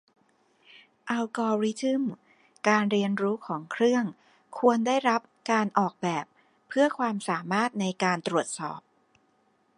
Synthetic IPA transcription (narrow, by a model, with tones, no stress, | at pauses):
ʔa˧wkɔː˧ɾi˦˥t̪ɯ˥˩m | kaː˧nɾi˧ənɾuː˦˥kʰɔː˩˦ŋkʰɾɯ˥˩əŋ | kʰu˧əndaː˥˩jɾa˦˥p̚kaː˧nʔɔː˨˩k̚bɛː˨˩p̚ʰː | ɯ˥˩ɐkʰwaː˧msaː˩˦maː˥˩t̪̚na˧jkaː˧nt̪ɾu˨˩ət̪̚sɔ̰ː˨˩p̚